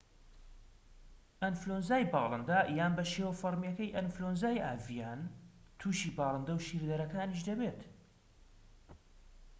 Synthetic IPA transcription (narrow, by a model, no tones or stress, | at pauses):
ʔɐnflonzaːjbɑːlˠɨnd̪ajaːnbɐʃewɐfɐɾmjɐkɐjʔɐnflonzaːjaːvijaːn | t̪ʰuːʃiːbɑːlˠɨnd̪ɐwʃiɾd̪ɐɾɐkaːniʃ̬d̪ɐbeːt̪